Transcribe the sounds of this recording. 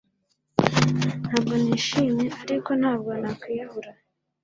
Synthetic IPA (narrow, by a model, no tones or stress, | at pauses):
n̥haːb̚ɡo̞niːʃimeaɾiko̞n̥haːbɡonakwiːjaβuɾa